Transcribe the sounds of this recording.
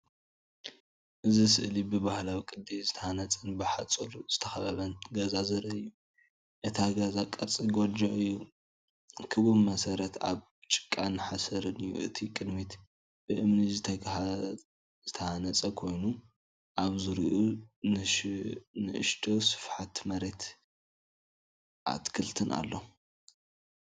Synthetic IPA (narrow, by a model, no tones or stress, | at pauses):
ʔɨzisɨʔlibɨbahlawikʼɨd̪izɨt̪ʰɐhanɐt͡sʼɐnbɨħat͡sʼolz̥ɨt̪ʰɐxɐβɐβɐnɡɐzazɐɾɐɨjːu | ʔɨt̪ʰaɡɐzakʼɐɾt͡sʼiɡod͡ʒoʔɨjːu | kʰɨβumɐsɐɾɐt̪aβ | t͡ʃʼɨ̥kʼːanːɨħasɐɾɨnɨjːṵʔɨ̰t̪ʰikʼɨd̪mit̪ | b̥ɨʔɨmnizɨt̪ʰɐ | z̥ɨt̪ʰɐhanɐt͡sʼɐkʰo̞jnu | ʔaβzɨɾiʔunɨ | nɨʔɨ̰ʃt̪ʰʼosɨ̥fħat̪mɐɾe̞t̪ | ʔa̰t̪kʰɨlt̪ʰɨnʔa̰lːo